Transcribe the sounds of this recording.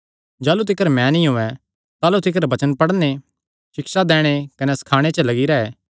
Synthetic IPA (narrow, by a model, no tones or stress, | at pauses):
d͡ʒaːlut̪̬ɪkəɾmɛ̃nĩɦoːɛ | t̪aːlut̪ɪkəɾbɐt͡ʃənpɐɽne | ʃɪksad̪ɛːɽ̃ekɐnɛsɐ̥kʰaːɽ̃et͡ʃəlɐɡiɾɛɛː